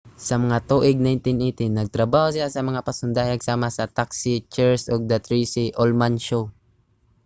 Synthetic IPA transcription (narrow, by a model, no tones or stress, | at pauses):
sɐmɐŋat̪uːʔɪɡ̚najnt̪ɪnʔejt̪ɪnːɐɡ̚t̪ɾɐbaːhosɪlasɐmɐŋapɐsʊnd̪aːjɐɡ̚saːmɐsɐt̪aksɪt͡ʃɛɹsoɡ̚d̪ɐt̪ɾisiʔolmanʃo